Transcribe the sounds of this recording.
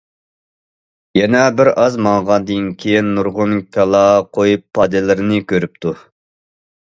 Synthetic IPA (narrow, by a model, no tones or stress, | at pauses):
jɛnɛbɪɾɑzmɑŋʁɑd̪inkʲʰijinːuɾʁʊnkʲʰɑlˠɑqʰojupʰːɑd̪ɪlɪɾɪnɪkʲʰøɾyp̚t̪ʰu